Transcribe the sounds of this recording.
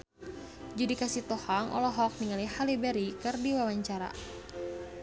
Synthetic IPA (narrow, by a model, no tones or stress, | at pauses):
d͡ʒudikasit̪ɔhaŋʔɔ̰lɔɦɔk̚niŋalihalibɛɾikɨrdiwawaɲt͡ʃaɾa̰